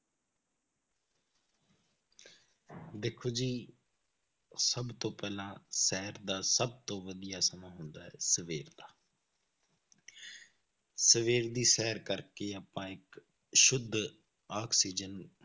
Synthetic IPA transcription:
d̪eːkʰːoːd͡ʒiː | səbt̪õːpɛːlãːsɛːɾd̪aːsəb̚t̪õːʋəd̪ɪjaːsəmãːɦʊnd̪aːɛːsəʋeːɾd̪aː | səʋeːɾd̪iːsɛːəɾkəɾkeːaːpãːɪk | ʃʊd̪ʱ | aːksiːd͡ʒən

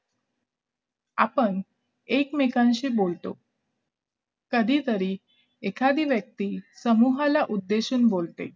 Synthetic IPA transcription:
a̰pəɳ | ekmekãnɕiːbolt̪o̰ | kəd̪ʱiːt̪əɾiː | ekʰad̪iːʋjək̚t̪iːsəmuɦalaʔud̪ːeɕuːnbolt̪ḛ

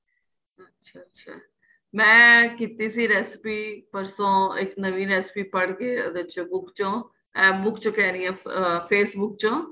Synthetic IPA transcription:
ətːʃʰaːtːʃʰa̰ː | mɛ̃ːkiːt̪iːsiːɾɛːspiːpəɾsõːɪknəʋĩːɾɛːspiːpəɽkeːəd̪et͡ʃõːbʊkt͡ʃõː | ɛːbʊkt͡ʃõːkɛːɾiːɛ̃ːpʰeːsbʊk̚t͡ʃõː

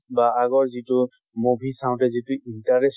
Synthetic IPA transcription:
baaɡɔɹzitʊ | mobʱisaʊ̃tɛzituintaɹes

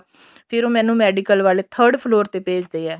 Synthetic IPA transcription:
pʰɪɾoːmɛ̃ːnũːmɛːɖikəlʋaːleːt̪ʰəɾɖpʰloːɾt̪eːpeːd͡ʒd̪eːɛː

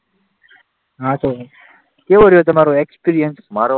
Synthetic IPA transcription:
ɦãt̪o | keʋəɾjot̪ɐmaːɾoekspiɾijənsmaːɾo

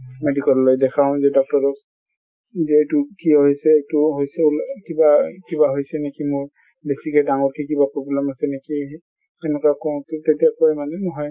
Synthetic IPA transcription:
medikɔlːojdɛkʰaʊ̃zɛdɔk̚tɔɹɔk̚ | zɛːtʊkiɔɦojsɛːjtʊɦojsɛlkibakibaɦojsɛnekimoɹ | besikɛdaŋɔɹkʰikibapɹoblɛmasɛneki | ɛnɛkakɔw̃ttetiakɔɛmanɛnɔɦɔj

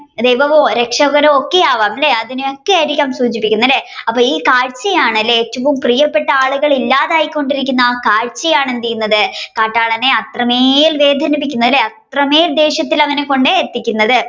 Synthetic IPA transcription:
d̪ejbɐʋoɾe̞kʂɐɣɐɾɐo̞kːeaːʋaːmleɐðinuokːeaːjɾikʲːaːmsuːd͡ʑipːikʲːunːɐlːe̞ɐpːoːiːkaːɻt͡ɕːɐjaːɳɐlːe̞eːtːɐʋumprijɐpːe̞ʈːɐaːɭuɣɐɭilːaːðaːjikʲːo̞ɳɖiɾik̬ʲːunːɐaːkaːɻt͡ɕːɐjaːɳend̪ikːunːɐðɨkaːʈːaːɭɐneɐt̪rɐmeːjilʋe̞ːd̪ʱɐnɐpikʲːunːɐðilːeɐt̪rɐmeːjild̪e̞ːɕjɐt̪ːilɐŋːɐneko̞ɳɖeet̪ːikʲːunːɐðɨ

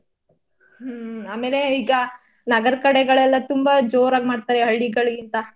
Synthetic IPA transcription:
ɦaːmeːleiːɡɐ | nɐɡɐɾkɐɽeɡɐɭɛlːɐt̪umbɐd͡ʒoːɾaːɡmaːɖ̚t̪aːɾeɦɐɭːiɡɐɭɡint̪ɐ

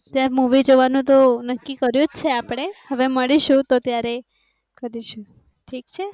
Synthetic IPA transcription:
t̪jaɾmuʋid͡ʒoʋanũt̪onəkːikəɾjũt͡ʃʰeapəɽ̃ehəʋeməɭiʃũt̪ot̪jaɾe | kəɾiʃũ | ʈʰikt͡ʃʰe

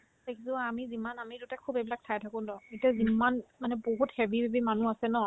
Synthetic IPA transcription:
tekʰisɔamizimanamidutakʰːubebilak̚tʰajtʰakɔ̃dɔetiazimanmanɛboɦuthɛbʱibʱebimanuasɛnɔ

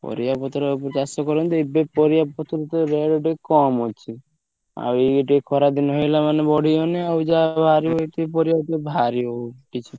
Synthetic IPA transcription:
pɔ̰ɾijapɔt̪ɔɾeopɔɾt͡ʃasɔkɔɾɔnt̪ɔibepɔɾijapɔt̪ʰɔɾet̪ɔɾeɖɖekɔmot͡ʃʰi | a̰weeʈikʰɔɾad̪inɦojlamanebɔɽ̤ʱioneawd͡ʒabʱaɾiojt̪ipɔɾijap̪ebʱaɾioʈit͡ʃʰi

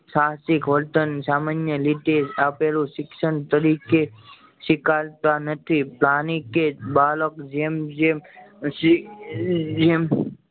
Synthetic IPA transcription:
sasɪkɦolt̪ənsaːmanjəliʈ̪ed͡ʒapelũʃɪkʃənt̪əɾike | ʃɪkalt̪anət̪ʰiplanikebaːləkd͡ʒemd͡ʒe | d͡ʒem

